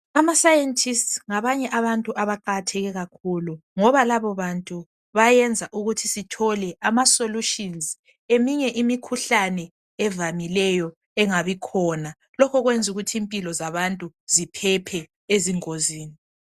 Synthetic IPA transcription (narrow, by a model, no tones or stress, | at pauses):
amasajentʰʼistsŋaβaɲɛʔaβantʼuʔaβaǃatʰɛɣɛɣakʰuluŋɔβalaβɔβantʼu | βajɛnd͡zʱaʔuɣutʰisitʰɔlɛʔamasoluʃinz | emiɲɛʔimikʰuɬanɛ | ɛvamilɛjɔ | ɛŋaβikʰɔna | lɔkʰɔɣwend͡zʱuɣutʰiːmpʼilɔzaβantʼuzipʰɛpʰɛ | eziŋoziːni